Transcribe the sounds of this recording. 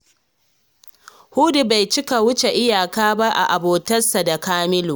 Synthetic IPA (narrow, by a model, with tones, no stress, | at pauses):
hu˦di˨ba˨jt͡ʃɪ˦ka˨wʊ˦t͡ʃe˨ʔɪ˦jaː˨kaː˦ba˦ʔa̰˨ʔa˨boː˨tɐ˦sa˨da˨kaː˦mɪ˦loː˨